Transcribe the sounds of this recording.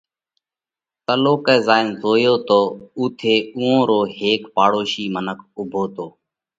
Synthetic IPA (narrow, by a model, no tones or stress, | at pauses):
t̪əloːkɛːzaːɪnzoːjoːt̪oːuːt̪ʰeːũːõːɾoːɦeːkpaːɽoːʃiːmənəkʰʊbʱoːt̪oː